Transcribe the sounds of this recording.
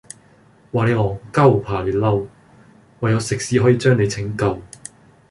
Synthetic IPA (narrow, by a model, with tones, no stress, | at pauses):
waː˨˩ne˨˧jɔː˨˩kɐ˥wpʰaː˨˩lyː˨˩lɐ˥w | wɐ˨jːɐ˨˧wsɪ˨k̚siː˨˥ɦɔː˨˥jiː˨˧t͡ʃœː˥ŋne˨˧jt͡sʰɪ˨˥ŋkɐ˨˧w